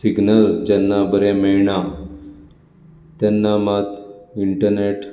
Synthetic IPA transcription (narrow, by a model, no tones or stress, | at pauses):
siɡnəld͡ʑɛnːabəɾemɛɭɳa | t̪jɛnːamat̪iɳʈəɾneʈ